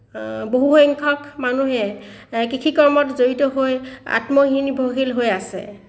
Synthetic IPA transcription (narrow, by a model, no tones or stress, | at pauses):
boɦuxɔŋkʰɔkmanuɦɛkikʰikɔɹmɔtzoɹitɔɦoja̰tmɔɦinibʱoɦilɦojasɛ̰